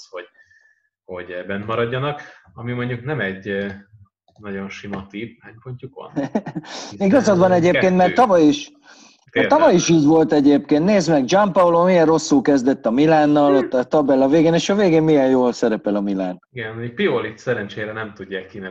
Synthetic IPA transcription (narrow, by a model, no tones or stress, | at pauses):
sho̥ | ho̞ɟɛbɛnmɒɾɒɟːɒnɒkɒmimo̞ɲɟuknɛmɛɟ | nɒɟo̞nʃimɒt̪iːvaːɲpoɲcukʋɒ̰n | iɡɒzɒd̪bɒnɛɟeːpkeːnt̪mɛrt̪ːɒvɒjiʃ | t̪ɒvɒjiʃiɟʋo̞lt̪ɛɟeːpkeːnt̪neːzmɛɡ̚d͡ʒɒmpɒwloːmijɛrro̞sːulkɛzd̪ɛt̪ːɒmilaːnːɒlɒt̪ɒbɛlɒveːɡeːneːʃɒveːɡeːmmijɛjjoːlsɛɾɛpɛlɒmila̰ːnɡɛnipiolit̪sɛɾɛnt͡ʃeːɾɛnɛmt̪uɟːaːkːinɛ